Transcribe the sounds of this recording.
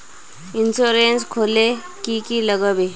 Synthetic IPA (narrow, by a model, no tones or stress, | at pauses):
insoɾenskʰole | kikiləɡəbe